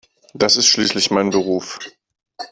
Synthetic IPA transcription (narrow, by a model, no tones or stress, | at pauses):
d̥asɪstʃliːslɪçmaɪnbəʁ̞uːf